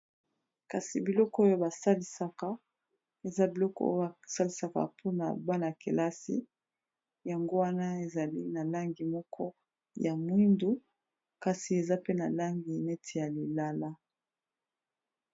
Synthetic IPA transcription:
ka˨si˨bi˨lɔ˦kɔ˦o˦jo˦ba˨sa˦li˨sa˨ka˦ | e˨za˦bi˨lɔ˦kɔ˦o̰˦jsa˦li˨sa˦ka̰˨pʰo˦na̰˨ba˦na˨ke˨la˦sḭ˦ | ja˨ŋɡo˦wa˦na˦e˨za˨li˦na˨la˦ŋɡi˨mɔ˦kʰɔ˦ | ja˨mwi˦ndu˦ | ka˨si˨e˨za˦pe˦na˨la˦ŋɡi˨ne˦tʰe˨ja˨li˨la˦la˦

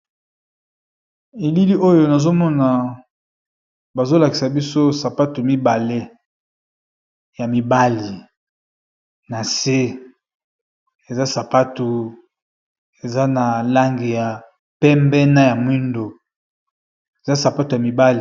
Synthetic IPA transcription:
e˨li˦li˦ʔo˦jo˨na˨zo˦mɔ˦na˨ | ba˨zo˦la˨ki˨sa˨bi˦so˦sa˨pa˦tu˨mi˦ba˨le˦ | ja˨mi˨ba˦li˨ | na˨se˦ | e˨za˦sa˨pa˦tu˨ | e˨za˦na˨la˦ŋɡi˨ja˨ | pɛ˦mbɛ˦na˦ja˨mwi˦ndo˨ | e˨za˦sa˨pa˦tu˨ja˨mi˨ba˦li˨

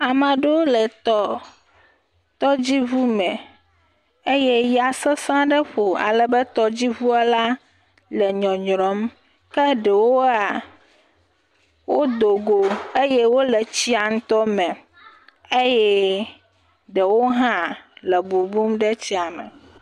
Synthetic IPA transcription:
a˨mã˨ɖe˦wo˦lɛ˨t̪ɔ˦ | t̪ɔ˦d͡ʑi˦vu˦mɛ̃˨ | e˦jɛ˦ja˨sɛ˦sã˦ɖɛ˦ɸo˨a̰˨lɛ˨bɛ˦t̪ɔ˦d͡ʑi˦βu˦a˦la˦ | lɛ˨ɲɔ̃˨ɲɾɔ̃˨˦m | kɛ˦ɖɛ˨wo˦a˨ | wo˦d̪o˨ɡo˨e˦jɛ˦wo˦lɛ˨t͡ɕi˦a˨ŋ̩̃˦t̪ɔ˦mɛ̃˨ | e˦jɛ˦ | ɖɛ˨wo˦ɦã˦lɛ˨bu˨bu˦mɖɛ˦t͡ɕi˦a˨mɛ̰̃˨

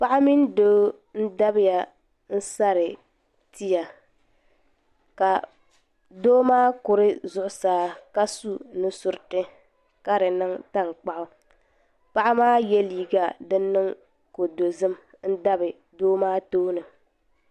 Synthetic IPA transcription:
pa˦ʔa˦mi˦ndoː˦ | n̩˦da˦bɪ˦ja˨ | n̩˦sa˦ɾɪ˨ | ti˦ja˨ | ka˨ | doː˦maː˦kʊ˨ɾɨ˦zʊ˦ʔʊ˨saː˨˦ka˦su˦nɨ˦sʊ˨ɾɨ˦˨tɨ˦ | ka˦ɾɨ˨nɨ˦ŋta˦˨ŋk͡pa˦ʔʊ˦ | pa˦ʔa˦maː˦jɛ˦liː˨ɡa˨dɨ˦nː˦ɨ˦ŋ | ko˨do˨zɨ˦m | n̩˦da˦bɨ˨ | doː˦maː˦toː˦nɨ˨

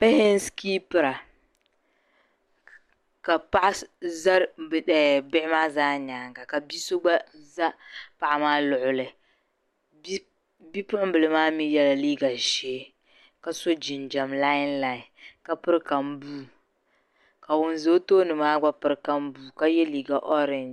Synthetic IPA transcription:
pɛ˦hɪ˦n˦ski˦pɨ˨ɾa˨ | ka˨pa˦ʔa˦za˦ɾbɛ˨bɪ˦ɪ˦maː˦zaː˦ɲaː˨ŋɡa˨ka˨bi˦so˦ɡ͡ba˦za˦pa˨ʔa˨maː˦lʊ˨ʔʊ˨lɨ˨˦ | bi˦pɨ˦ɾa˦m̩˦bɨ˨lɨ˨maː˦mi˦jɛ˦la˨liː˦ɡa˨ʒeː˦ | ka˦so˦d͡ʒi˨n˨d͡ʒa˨mla˦ɪ˦nla˨ɪ˨ka˦pɨ˦ɾka˨m˦buː˦ | ka˨wʊ˨n˨zo˦toː˦nɨ˨maː˦ɡ͡ba˦pɨ˦ɾka˦m˦buː˦˨ka˦jɛ˦liː˨ɡa˨ʔɔ˦ɾɪ˨n

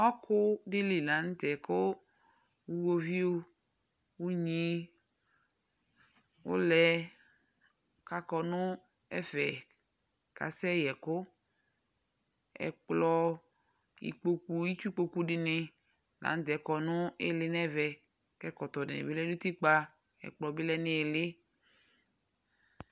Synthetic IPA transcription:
ɔ˦kʊ˦dɪ˦lɪ˨la˨˦n̩˦t̪ɛ˨kʊ˦ | wu˦wo˦vi˦o˦ | wu˦ɲĩ˦ | wʊ̰˦lɛ˨ | ka˨kɔ˨nʊ̃˦ | ɛ˦vɛ˨ | ka̰˨sɛ˦˨jɛ˨kʊ˦ | ɛ̰˨k͡plɔ˨ | jḭ˨k͡po˨ku˨ji˦t͡ʃu˦k͡po˨ku˦ɖɪ˨nɪ˨ | lã̰˨˦d̪ɛ˨kɔ˨nʊ̃˦e˦lɪ˨nɛ˦vɛ˨ | kɛ˦kɔ˨t̪ɔ˨dɪ̰˨nɪ̰˨bɪ˦lɛ˦du˦t̪i˦k͡pa˦ | ɛ̰˨k͡plɔ˨bɪ˦lɛ˦nɪ˦˨lɪ˦

